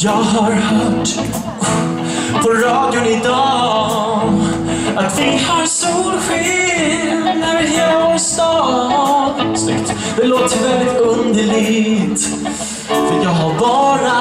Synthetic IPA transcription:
jɑːɡɦaɾhœːʈ | pʰɔɾɑːd̪jʊnɪd̪ɑː | at̪vɪhaɾsolɧɪ | nəɾɛɔst̪ɑ | snʏkt̪ | d̪̥ɛloːt̪əɾvɛld̪ɪt̪ɵnd̪əɭɪɡt̪ | fəɾat̪jɑːɡɦaɾbɑːɾa

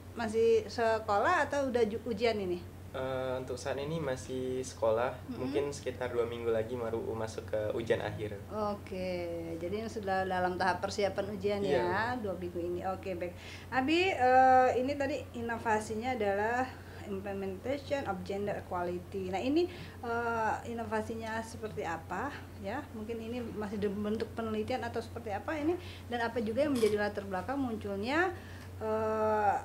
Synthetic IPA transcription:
mas̬ɪhsəkolaɦat̪awudad͡ʒuud͡ʒianini | əunt̪ʊk̚saat̪inimasɪhsə̥kolahmuŋkɪnsə̥kit̪arduamiŋɡulaɡimaɾṵmasʊkəṵd͡ʒianʔa̰ɦɪr | oked͡ʒadiŋsuadalamt̪aɦapːərsiapanud͡ʒianjaduamiŋɡuiniʔokebak̚ | nabiəinit̪adiːnofasiɲaːdalah | implemɛnt̪asɔnɔp̚d͡ʒɛndərkualit̪inaɦini | əinofasiɲasəpərt̪iapa | jamuŋkɪninimasɪhdbənt̪ʊk̚pənəlit̪ianat̪awsə̥pərt̪iapaini | danapad͡ʒuɡajaŋməɲd͡ʒadilat̪ərbəlakaŋmuɲt͡ʃulɲa | ʔə

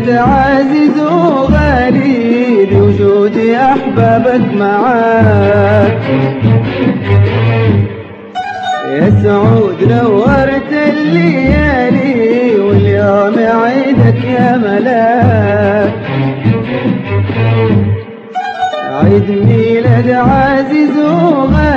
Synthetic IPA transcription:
d̪aʕaːzizuɣaːɾid̪iwzuːd̪iʔaħbaːbakmaʕaː | k | jasaʕuːd̪nawːɑɾˤt̪alːijaliwɪljoːmaʕiːd̪akjaːmala | k | ʕid̪milad͡ʒaʕaːzizuːma

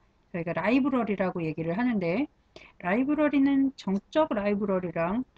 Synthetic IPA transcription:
t͡ɕʌiɡaɾaibɯɾʌɾiɾaɡoje̞ɡiɾɯɭɦanɯnde̞ | ɾaibɯɾʌɾinɯnt͡ɕʌŋt͡ɕ͈ʌɡɾaibɯɾʌɾiɾaŋt

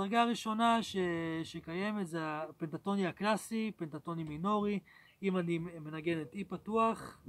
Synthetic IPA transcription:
daʁɡaːʁiʃo̞naʃeʃekaje̞metzeapentato̞niaklasipentato̞nimino̞ʁi | imanime̞naɡe̞netipatuaχ

